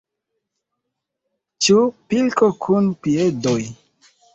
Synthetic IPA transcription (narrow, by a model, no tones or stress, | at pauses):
t͡ʃupilkokʰunpiedoj